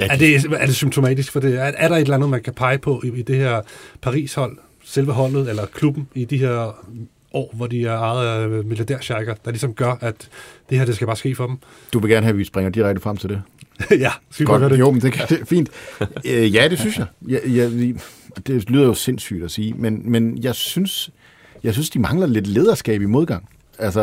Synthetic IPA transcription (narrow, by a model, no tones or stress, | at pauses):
æd̥e̝æɐd̥e̝symt͡sʰo̝mɛ̰ːd̥isɡ̥fɒ̽d̥e̝æɐɾɑ̈e̝dlænð̩ˠmænkʰæpʰɑ̈ɪpʰɒ̽ʔiid̥e̝heɐ̰pʰɑ̈ʁḭːshɒ̽l̰ | selʋəɦɒ̽l̰ð̩ˠelɐkʰlub̥n̩id̥iɦeɐ̰ | ʔɒ̰ːʋɒdiæɐɑ̈ːð̩ˠmiljɐd̥eɐ̰ɕɑɡ̥ɐd̥ɑ̈lisɒ̽mɡ̥ɶɐʔæd̥d̥e̝heɐd̥esɡ̥æb̥ɑ̈ːsɡ̥e̝̰ːfɒ̽d̥m̩ | d̥uʋe̝ɡ̥æɐnəɦæʋisb̥ʁɛŋɐd̥iʁaɡ̥̚dəfʁɑ̈m̰t͡sʰe̝ld̥e̝jæɡ̥ɒɡjo̰mənd̥e̝kʰæd̥e̝fḭːnd̥ | jæd̥e̝synsjɑ̈ɪjɑjɑ | d̥e̝lyːðˠɐjo̝se̝n̰sy̰ːd̥æsiːmenmenjɑ̈ɪsyns | jɑ̈ɪsynsd̥imɑ̈ŋlɐle̝d̥le̝ːð̞ˠɐsɡ̥ɛ̰ːb̥imo̝ð̞ˠɡ̥ɑ̈ŋ̰ | ælsɐ